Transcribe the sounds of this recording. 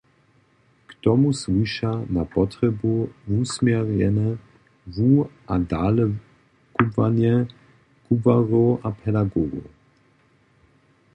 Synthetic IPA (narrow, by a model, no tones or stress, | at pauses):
kt̪ɔmuswiʃanapɔt̪ɾɛbuvusmjɛʁɲɛnɛ | vuʔadalɛ | kubvanjɛ | kubvaʁoʔapʰɛdaɡɔɡo̰